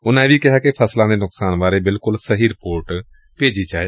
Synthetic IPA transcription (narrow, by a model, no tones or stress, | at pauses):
ʊnãːʋiːkɪɦaːkepʰəslãːd̪eːnʊksaːnbaːɾeːbɪlkʊlsəɦiːɾɪpoːɾʈ | peːd͡ʒiːt͡ʃaːeː